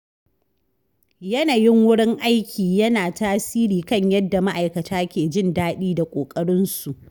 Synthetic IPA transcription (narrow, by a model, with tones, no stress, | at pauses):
jɐ˦naː˨jɪ˦ŋwʊ˦ɽɪ˦ŋʔa˦jkʲʰiː˨jɐ˦naː˨taː˦siː˦ɾiː˨kɐ˦ɲjɐ˦dːa˨ma˦ʔa˨jkɐ˨tʰaː˦kʲeː˨d͡ʒɪ˦˨ndaː˦ɗiː˦da˨kʷʼoː˨kʼɐ˦ɽɪ˦nsu˨ʔ